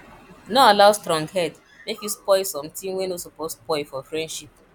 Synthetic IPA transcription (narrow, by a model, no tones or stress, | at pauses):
noalaʊstɾɔ̃ŋɡhɛd | mekjuspɔɪsɔ̃mtĩmwẽnosoposspɔɪfɔfɹɛ̃ndʃip̚